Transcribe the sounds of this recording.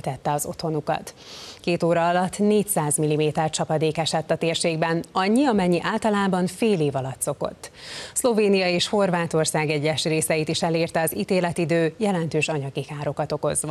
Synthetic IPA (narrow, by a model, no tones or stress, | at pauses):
t̪ɛt̪ːɛɒzo̞̰t̪ho̞nukɒ̰t̪keːt̪oːɾɒɒlɒt̪ːneːcsaːzmilːimeːt̪ɛrt͡ʃɒpɒd̪eːkɛʃɛt̪ːɒt̪eːrʃeːɡbɛnɒɲːiɒmɛɲːiʔaːlt̪ɒlaːbɒɱfeːleːvɒlɒt̪so̞ko̞̰t̪ːslo̞veːnijɒeːʃho̞rvaːt̪o̞rsaːɡɛɟːɛʃreːsɛjit̪iʃɛleːrt̪ɛɒziːt̪eːlɛt̪id̪øːjɛlɛnt̪øːʃɒɲɒɡikaːɾo̞kɒt̪o̞ko̞zʋɒ